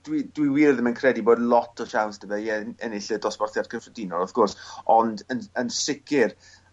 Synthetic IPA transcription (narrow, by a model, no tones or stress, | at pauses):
d̥widwiwiːrðəmənkʰrɛdiboːdlˠɔtʰɔʃawnsd̥əbɛiɛɛnɪɬədɔsb̥ɔrθjarkʰənfrədɪnɔlˠɔθɡ̥ʊrsɔndənənsɪkɪr